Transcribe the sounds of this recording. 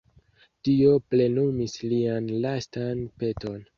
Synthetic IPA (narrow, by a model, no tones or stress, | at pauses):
tio̞ple̞numislianlastanpe̞to̞n